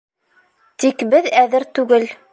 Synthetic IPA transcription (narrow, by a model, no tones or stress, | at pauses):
t̪ikbɘðæðɘɾt̪ʉɡɘl